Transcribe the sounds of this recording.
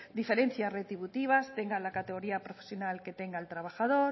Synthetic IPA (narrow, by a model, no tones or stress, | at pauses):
d̪ife̞ɾe̞n̟θjasret̪ɾiβut̪iβ̞ast̪e̞ŋɡalakat̪eɣ̞o̞ɾiapɾo̞fesjonalke̞t̪e̞ŋɡaelt̪ɾaβ̞axaðo̞ɾ